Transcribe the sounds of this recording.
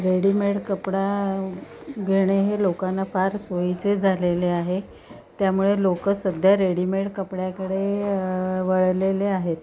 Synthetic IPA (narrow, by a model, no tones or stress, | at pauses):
ɾeɽimeʈkəpɽa | ɡʱeɽ̃eɦelokanːafaɾsoit͡sed͡zʱaleleaɦe | t̪jamuɭelokəsːəd̪ʱjaɾeɽimeʈkəpɽjakəɽe | ʋəɭleleaɦet̪